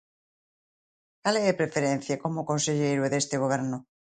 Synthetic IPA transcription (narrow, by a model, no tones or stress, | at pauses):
kaleepɾefeɾen̟θjakomokonseʎejɾweðest̪eɣ̞oβ̞eɾno